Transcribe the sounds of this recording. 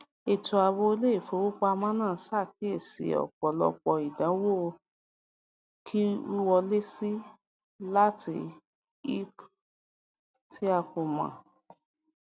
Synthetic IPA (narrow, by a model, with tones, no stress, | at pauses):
e˨tu˨a˧˨wo˧˦o˧le˦i˦˨fo˨˦wo˦k͡pa˦a˧mã˦nãː˦˨˦sa˦˨ki˨˦e˦˨sḭ˨ɔ̰˨k͡pɔ˨lɔ̰˧k͡pɔ˧i˨dã˨˦wo˦˨˧ | kʰi˦u˦wɔ˧le˦si˦ | la˦tʰi˧ | i˦p | ti˦a˧ko˨mã̰˨